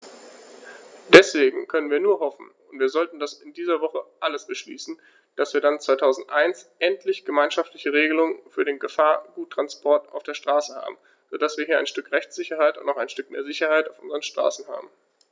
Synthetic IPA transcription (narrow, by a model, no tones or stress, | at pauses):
d̥ɛsv̥eːɡŋ̩kʰœnənviːɐnuːɐɦɔfn̩ | ʊntv̥iːɐzɔltn̩dasɪndiːzɐvɔχəʔaləsb̥əʃlḭːsn̩ | d̥asv̥iːɐdant͡sv̥aɪtʰaʊzn̩tʔaɪnsʔɛntʰlɪçɡ̥əmaɪnʃaftlɪçəʁ̞eːɡəlʊŋənfyːɐɾeːnɡəfaːɐɡ̥uːtːʁ̥anspʰɔɐta̰ʊfd̥eːɐʃtʁ̥aːsəha̰ːbm̩ | z̥oːd̥asv̥iːɐhiːɐaɪnʃtʏkʁɛçt͡sz̥ɪçɐhaɪtʊntaʊxaɪnʃtʏkmeːɐzɪçɐhaɪtaʊfʔʊnzəʁənʃtʁ̥a̰ːsn̩ha̰ːbm̩